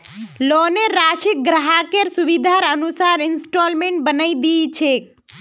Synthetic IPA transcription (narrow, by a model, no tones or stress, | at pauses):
loneɾaʃik̚ɡɾaɦakeɾsuʋid̪ʱaɾənusaɾɪnsʈolmẽɳʈ̚bənəid̪it͡ʃʰek